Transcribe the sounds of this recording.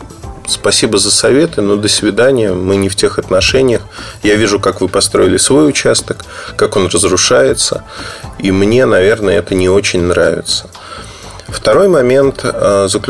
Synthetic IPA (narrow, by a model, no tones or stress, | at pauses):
spɐsʲibəzəsɐvʲe̞t̪ɨnod̪əsʲvʲɪd̪anʲɪjəmɨnʲɪftʲe̞xɐt̪nɐʂɛnʲɪjəxjavʲiʐʊkakvɨpɐst̪ɾo̞ɪlʲɪsvo̞jʊt͡ɕast̪əkːako̞nrəzɾʊʂajɪt̪sə̰imnʲe̞nɐvʲe̞rnəjəɛt̪ənʲɪo̞t͡ɕɪnʲnɾavʲɪ̰t̪sə̥ | ft̪ɐɾo̞jmɐmʲe̞nt̪əzəklʲ